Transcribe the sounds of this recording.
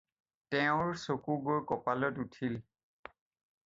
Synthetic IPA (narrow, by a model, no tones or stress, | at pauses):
tɛʊ̃ɹsokuɡoɹkɔpalɔtutʰil